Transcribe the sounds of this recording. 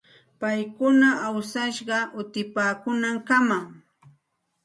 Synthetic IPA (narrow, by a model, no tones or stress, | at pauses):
pajkʊnaawsaʃɢɑʊt̪ɪpaːkʊnaŋkamaŋ